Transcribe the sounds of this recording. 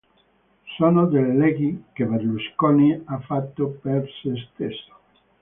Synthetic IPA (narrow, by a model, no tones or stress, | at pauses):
sonod̪elːeɡikeβeɾluskoniafat̪ːopeɾsest̪eso̥